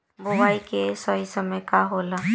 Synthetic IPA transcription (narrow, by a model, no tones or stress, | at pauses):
bʊwaːikesəisəməjkaɦoːla